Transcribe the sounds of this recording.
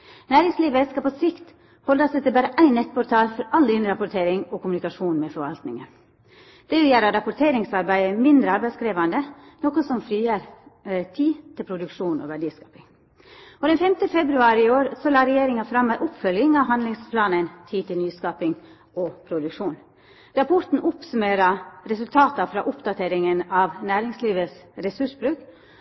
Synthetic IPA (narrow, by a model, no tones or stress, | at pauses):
næːɾɪŋsliːʋəskɑpɔsɪkt̪ | hɔlɑsɛt̪ːəbæːɾəʔæɪnɛt̪ːpʰɔɾt̪ʰɑːlfɔɾɑld̪ɪnɾɑpʊt̪ʰeːɾɪŋɔkʊmʉnɪkɑʂuːnmɛfɔɾʋɑ̰lt̪nɪŋə̰n | d̪̥ɛʋɪjæːɾɑɾɑpʊt̪ʰeːɾɪŋsɑɾbæɪəmɪnd̪ɾəɑɾbæɪskɾeːʋɑnd̪ənɔkɔsɔmfɾiːəɾt̪ʰiːt̪ʰɪlpʰɾʊd̪ʉkʂuːnɔ̰ʋæɖiːskɑːpɪŋ | ɔd̪ɛnfɛmt̪əfɛbɾʉɑːɾɪɪoːɾsɔlɑːɾɛjeːɾɪŋɑfɾɑmːæʔʊpfœljɪŋɑʋɦɑnlɪŋspʰlɑːnənt̪ʰiːt̪ʰɪlnyːskɑːpɪŋ | ɔpʰɾʊd̪ʉkʂuːn | ɾɑpʰɔɾt̪n̩ʔʊpsʉmeːɾɑɾɛsʉlt̪ʰɑːt̪ɑfɾɑ̰ːʔʊpd̪ɑt̪ʰeːɾɪŋənɑʋnæːɾɪŋsliːʋəsɾɛsʉʂbɾʉːk